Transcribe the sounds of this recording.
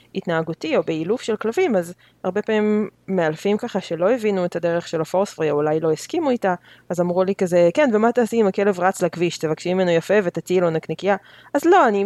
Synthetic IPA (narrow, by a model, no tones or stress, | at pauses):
it̪naːɡutio̞beilufʃe̞lklavimaz | aʁbe̞paimːealfimkaχaʃe̞lo̞evinuetʰad̪eʁe̞χʃe̞lafo̞ʁsfʁiaulajlo̞eskimuitaːzamʁulikazekenvemat̪easiimakele̞vʁat͡slakviʃt̪evakʃimimenojafevet̪at͡silonaknikija | azlo̞ani